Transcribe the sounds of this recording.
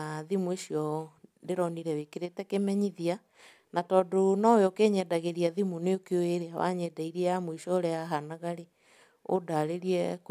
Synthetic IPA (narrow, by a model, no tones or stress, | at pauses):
aðimueʃjɔndeɾɔniɾɛwekeɾetɛkemɛɲiðia | natɔːdonɔjokeɲɛdaɣeɾiaðimoneokeoeɾeawa̰ɲɛdaiɾiɛjamwiʃɔɾeaɦanaɣaɾe | o̰daɾeɾiɛk